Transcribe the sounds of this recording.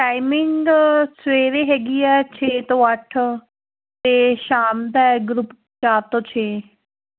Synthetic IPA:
ʈaːɪmɪŋɡsweːɾeːɦɛːɡiːɛːt͡ʃʰeːt̪õːəʈʰ | t̪eːʃaːmd̪ɛːɡɾup | t͡ʃaːt̪õːt͡ʃʰeː

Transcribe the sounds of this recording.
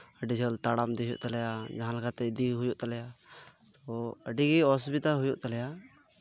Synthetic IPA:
əɖid͡ʒəlt̪aɽamd̪ijṵʔt̪alɛjad͡ʒaɦãləɡʰat̪ɛd̪iɦujuʔt̪alɛja | t̪ɔəɖiɡiɔsbit̪aɦujuʔt̪alɛja

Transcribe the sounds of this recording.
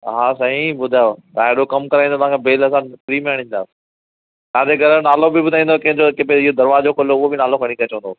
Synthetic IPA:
ɦaːsɐɦĩbʊd̪ʱaːjot̪ɐɦeɽokɐmkɐɾaĩnd̪ot̪ɐ̤̃ɦãːkʰebeːlɐs̬ãpɾiːmẽəɽ̤̃ɪ̃ːnd̪aːs | t̪ɐ̃ãd̪eɡʱɐɾənaːlobɪbʊd̪ʱaĩːnd̪kɐ̃ɦɪ̃ɲd͡ʑokɪbeɪɦod̪ɐɾʋaːd͡ʑoːkoloʊɦobɪnaːlokʰɐɽ̃ikɐt͡ɕʋ̃ə̃nd̪oː

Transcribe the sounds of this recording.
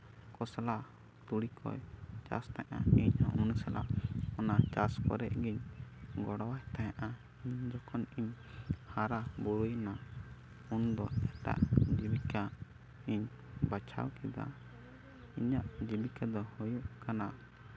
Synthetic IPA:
kɔsalaʔ | t̪uɽikʰɔ̰jt͡ʃa̰st̪aɲʔa̰iɲaunsala̰ʔɔnat͡ʃaskɔ̰ɾɛʔɡiɲɡɔɽɔwajt̪ajaʔa | iɲd͡ʒɔkʰɔniɲ | haɾabɔɾujna | und̪ɔɛʈa̰ʔd͡ʒibika | iɲ | bat͡ʃʰa̰wkid̪a̰ | iɲaʔd͡ʒibikad̪ɔhɔjuʔkana

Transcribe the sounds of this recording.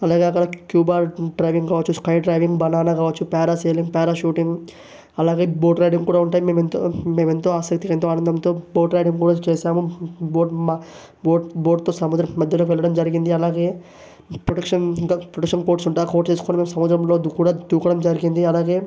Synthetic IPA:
ɐlaːɡe̞ːɐkːɐɽɐkjuːbaːɖɾɐjʋiŋɡkaːʋɐt͡ʃːuskɐjɖɾɐjʋiŋɡbɐnaːnakaːʋɐt͡ʃːupaːɾaseːliŋɡpaːɾaːʃuːʈiŋɡ | ɐlaːɡe̞ːbo̞ːʈɾɐjɖiŋɡkuːɽaːuɳʈaːjime̞ːment̪ome̞ːme̞nt̪oːaːsɐk̚t̪ikɐent̪oːaːnɐnd̪ɐmt̪oːboːʈɾɐjɽiŋɡkuːɽaːt͡ʃeːʃaːmuboːɖma | boːɖbo̞ːɖt̪o̞ːsɐmud̪ɾɐmːɐd̪ʱjɐloːkʋɛlɭːɐɽɐmd͡ʒɐɾiɡind̪iɐlaːɡe̞ː | pɾoɽɐkʂɐnɡpɾoɽɐkʂɐnko̞ːɾʈsuɳʈaːko̞ːɾʈt͡ʃe̞ːsu̥koːnimeːmsɐmud̪ɾɐmlod̪ukuːɽaːd̪uːkɐɽɐmd͡ʒɐɾiɡind̪iɐlaːɡe̞ː

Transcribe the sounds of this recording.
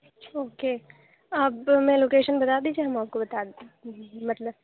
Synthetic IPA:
oːkeː | ɐbmɛ̃loːkeːʃənbɐt̪aːd̪iːd͡ʒieɦɐmaːp̚kobɐt̪a | mɐt̪ləb

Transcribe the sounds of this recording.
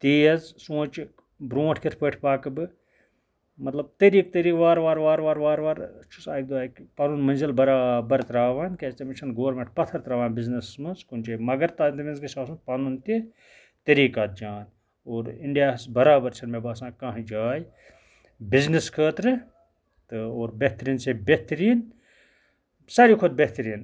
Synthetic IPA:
t̪iːɐzsũːt͡ʃ | bɾũːʈʰket̪ʰpəːʈʰpaːkɨbɨ | mɐt̪lɐb̚t̪ɐɾiːk̚t̪ɐɾiːkʋaːɾʋaːɾʋaːɾʋaːɾʋaːɾʋaːɾt͡ʃʰu̥saːk̚d̪uaːkpaːnunmɐnzilbɐɾaːbɐɾt̪ɾaːʋaːnkest̪emit͡ʃʰɐnɡoːɐɾmẽɳʈ̚pɐt̪ʰɐɾt̪ɾaːʋaːnbiznɐsmɐnskunʲt͡ʃeːmɐɡɐɾt̪aːd̪imenzɡisaːsũpaːnunt̪i | t̪ɐɾiːkaːt̪̚d͡ʒaːn | oːɾiɳɖijaːsbɐɾaːbɐɾt͡ʃʰɐnmebaːsãːkãːɦĩd͡ʒaːj | bizneskʰəːt̪ɾɨ | t̪ɨoːɾbeht̪ɾiːnsebeht̪ɾiːn | sɐɾikʰod̪̚beht̪ɾiːn

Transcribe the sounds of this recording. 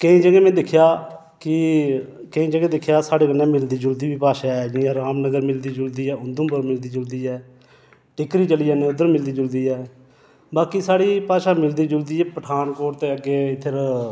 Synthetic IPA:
kəĩːd͡ʒəɡẽːmɛ̃ːd̪ɪkʰjaː | kɪ | kəĩːd͡ʒəɡẽːd̪ɪkʰːjaːsaːɽeːkənːɛ̃ːmɪld̪iːd͡ʒʊld̪iːbiːpaːʃaːɛːd͡ʒɪjãːɾaːmnəɡəɾmɪld̪iːd͡ʒʊld̪iːɛːʊnd̪ũːpəɾmɪld̪iːd͡ʒʊld̪iːɛː | ʈɪkɾiːt͡ʃəliːaːnẽːʊd̪əɾmɪld̪iːd͡ʒʊld̪iːɛː | baːkiːsaːɽiːpaːʃaːmɪld̪iːd͡ʒʊld̪iːɛːpəʈʰaːnkoːʈt̪eːəɡeːt̪ʰːəɾ

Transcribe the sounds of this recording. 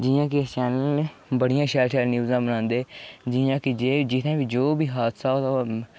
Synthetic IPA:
d͡ʒɪjãːket͡ʃɛːnəlebəɽɪjãːʃɛːlʈʰɛːlnjuːzãːbənãːnd̪eːd͡ʒɪjãːkɪd͡ʒeːd͡ʒɪt̪ʰẽːʋid͡ʒoːbiːɦaːt̪ʰsaːot̪a

